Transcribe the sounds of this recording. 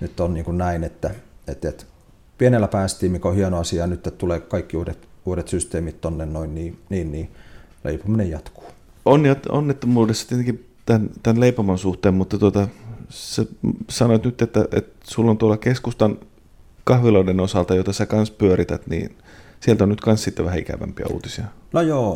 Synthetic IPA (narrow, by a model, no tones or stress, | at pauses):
nyt̪ːonniːŋkunnæinet̪ːæet̪et̪ | pienelːæpæːst̪iːmikohienoɑsiɑːnyt̪ːet̪t̪uleːkkɑikːiuːdet̪uːɾet̪syst̪eːmit̪t̪onːennoinniːniːnniː | lḛipominejɑt̪ku̥ː | onːiɑt̪o̰nːet̪ːomuːdesst̪iet̪eŋki | t̪ænt̪ænleipomɑnsuht̪eːmmut̪ːɑt̪uot̪ɑsesɑnoit̪nyt̪ːet̪ːæʔḛt̪sulːont̪uolːɑkeskust̪ɑn | kɑhʋiloidenosɑlt̪ɑjot̪ɑsækɑnspyøɾit̪æt̪nḭːn | sielt̪onyt̪kɑnssit̪ːeʋæhæikæ̰ʋæ̰mpiɑ̰ṵːt̪isiɑnojoː